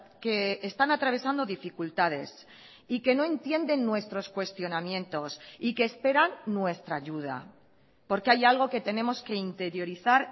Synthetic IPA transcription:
ke̞ːst̪anat̪ɾaβ̞e̞sand̪o̞ðifikult̪að̞e̞s | ike̞no̞e̞nt̪je̞nd̪e̞nːwe̞st̪ɾo̞skwe̞st̪jo̞namjẽ̞nt̪o̞sike̞ːspe̞ɾanːwe̞st̪ɾaʝuð̞a̰ | po̞ɾkeajalɣ̞o̞ke̞t̪e̞ne̞mo̞ske̞int̪e̞ɾjo̞ɾiθaɾ

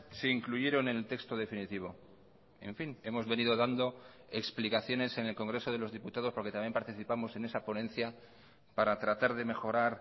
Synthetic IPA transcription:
seiŋkluʝe̞ɾo̞nelt̪e̞kst̪o̞ðe̞finit̪iβ̞o̞ | e̞̰ɱfine̞mo̞zβe̞nið̞o̞ðand̪o̞e̞ksplikaθjone̞se̞ne̞lko̞ŋɡɾe̞so̞ðe̞lo̞zðiput̪að̞opo̞ɾket̪amje̞mpaɾt̪iθipamo̞se̞ne̞sapo̞nẽ̞nθja | paɾat̪ɾat̪aɾð̞e̞me̞xo̞ɾaɾ

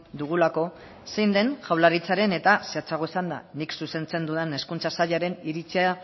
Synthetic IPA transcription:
d̪uɣ̞ulako̞ | se̞jnd̪e̞nʝawlaɾit͡saɾe̞ne̞t̪aseat͡saɣo̞isand̪a̰niksuse̞nt͡se̞nd̪uðene̞skunt͡sasaʎaɾe̞niɾit͡sia

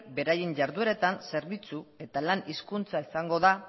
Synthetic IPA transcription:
be̞ɾajeɲʝaɾðueɾe̞t̪anse̞ɾβit͡sue̞t̪alaniskunt͡saisaŋɡo̞ða

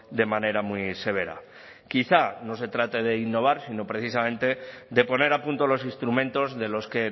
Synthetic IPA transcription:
d̪e̞mãne̞ɾamwise̞β̞e̞ɾa̰ | kiθano̞s̬e̞t̪ɾat̪e̞ðe̞inːo̞β̞aɾsino̞pɾe̞θisamẽ̞nt̪e̞d̪e̞po̞ne̞ɾapunt̪olo̞sinst̪ɾumẽ̞nt̪o̞zðe̞lo̞ske̞

